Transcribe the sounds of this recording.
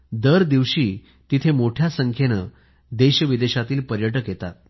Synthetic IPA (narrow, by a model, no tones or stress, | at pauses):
d̪əɾd̪iʋɕiː | t̪it̪ʰemoʈʰjasəŋkʰjenə | d̪eɕəʋid̪eɕat̪iːlpəɾjəʈ̬əkjet̪at̪̚